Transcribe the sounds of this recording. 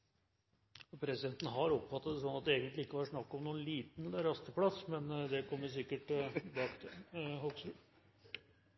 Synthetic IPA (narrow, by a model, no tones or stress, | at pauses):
pʰɾɛsɪd̪ɛnt̪nəɦɑɾɔpfɑt̪ːɑt̪d̪s̬ɔnːɑt̪̚d̪ɛeːɡənt̪lɪɪkːəʋɑɾʂnɑkːɔmnuːənliːt̪nɛləɾɑst̪əpʰlɑsːmɛnd̪ɛkʰɔmːəs̬ɪkːəʈbɑːkt̪ʰɪhɔɡsʉ